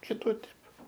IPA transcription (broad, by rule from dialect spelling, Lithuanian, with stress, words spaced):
kʲɪˈtuː ˈtʲɛp